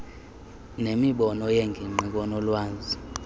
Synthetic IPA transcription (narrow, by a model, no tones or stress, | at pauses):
nemiɓɔnɔjeŋɡʱiŋ͡ǃʱik̬ɔnɔlwaːnzʱi